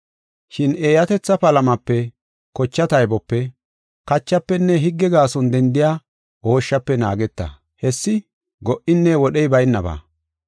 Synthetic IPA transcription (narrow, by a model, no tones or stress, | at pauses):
ʃɪneːjɐt̪ɛt͡sːɐpɐlɐmɐpːɛ | kɔt͡ʃːɐt̪ɐjbɔpːɛ | kɐt͡ʃːɐpːɛnːɛɦɪɡːɛɡaːsɔnd̪ɛnd̪ɪjaː | oːʃːɐpːɛna̰ːɡɛt̪ːɐ̰ | hɛsːɪ | ɡɔʔɪnːɛwɔɗɛjbɐjnːɐba̰ː